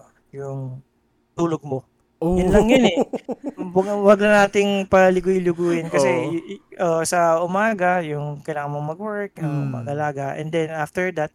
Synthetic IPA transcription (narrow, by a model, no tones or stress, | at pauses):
jʊŋ | t̪uːloɡ̚mo | jʊnlɐŋjɐnɛ | wɐɡwɐɡlɐnaːt̪ɪŋpɐlɪɡʊjlɪɡujɪnkɐsɛʔosɐʊmaːɡɐjʊŋkɐjlaːŋɐnmoŋmɐɡwɛɹk̚nɐmɐ̰ɡɐlaːɡɐʔɛ̰nd̪ɛnʔaft̪ɛɹd̪ɐt̪̚